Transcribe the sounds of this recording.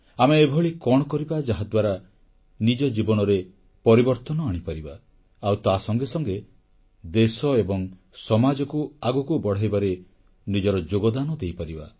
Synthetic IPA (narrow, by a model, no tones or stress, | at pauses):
ameːbʱɔɭikɔɽ̃ɔkɔɾibad͡ʒaɦad̪waɾa | nid͡ʒɔd͡ʒibɔnɔɾe | pɔɾibɔɾt̪ɔnɔaɽ̃ipaɾibaː | wt̪asɔŋɡesɔŋɡe | d̪esɔebɔŋ | sɔmad͡ʒɔkuaɡɔkubɔɽ̤ajbaɾe | nid͡ʒɔɾɔd͡ʒoɡɔd̪anɔd̪ejpaɾiba̰